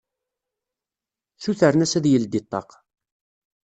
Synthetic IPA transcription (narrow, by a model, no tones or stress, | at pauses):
θuθəɾnæsæðjəld̪it̪ˤːɑ̰q